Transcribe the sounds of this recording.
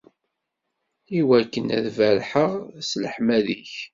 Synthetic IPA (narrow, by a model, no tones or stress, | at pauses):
iwækːənæðvæɾħəʁsləħmæðiç